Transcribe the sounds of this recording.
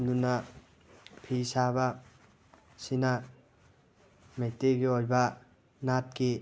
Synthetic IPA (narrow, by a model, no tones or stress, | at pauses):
md̪una | pʰisaβa | sina | met̪eɡiolba | nat̚ki